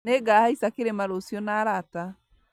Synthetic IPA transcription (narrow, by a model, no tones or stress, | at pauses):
neɡahaisakeɾemaɾosjɔnaːɾata